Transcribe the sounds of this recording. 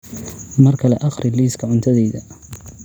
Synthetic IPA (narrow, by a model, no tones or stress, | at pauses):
mɐrkʰɐlɛ̰ʔɑχrɪliːskʰɐʕʊnt̪ʰɐðɛːðɐ